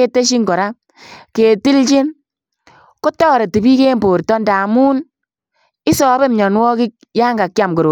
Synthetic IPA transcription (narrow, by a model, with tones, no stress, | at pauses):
e˦te˦ʃ̬i˦ŋɡɔ˨ɾa˦ | ke˨ti˦lt͡ʃɪ˦n | ko˦tɔ˦ɾe˨ti˨bi˦keː˦mboː˨rtɔ˦nda˨muː˦n | ɪ˦sɔː˨˦be˦mɲɔ˨nwɔ˦kɪ˦k̚jaː˦ŋɡa˨kja˨mko˨ɾo˨